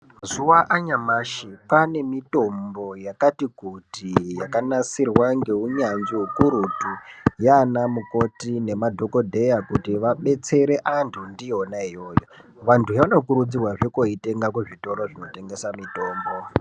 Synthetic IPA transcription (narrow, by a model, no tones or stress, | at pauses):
zuwaʔaɲamaʃipane̞mito̞mbo̞jakatikutijakanasirwaŋɡe̞uɲanʐiɦukuɾutujanamuko̞tine̞madʱo̞ko̞dʱe̞jakutiʋaɓe̞t͡se̞ɾe̞ʔantʰundionaijo̞ːjo | ʋantʰujaʋano̞kuɾud͡zirwaʐekoite̞ŋɡakweʐito̞ɾoʐino̞te̞ŋɡe̞samito̞ːmbo